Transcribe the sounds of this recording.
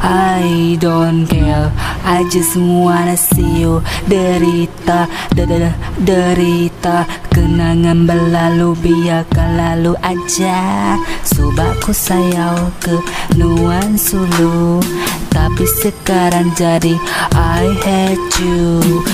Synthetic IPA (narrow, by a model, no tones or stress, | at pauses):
ajdɔnɡɛlad͡ʒasəmuaɾasiodəɾit̪a | dəɾit̪akənaŋanbəlalubijakanlaluʔad͡ʒa | subakusajawkənuwansulu | t̪apisəkaɾaŋd͡ʒadiʔajhɛt͡ʃu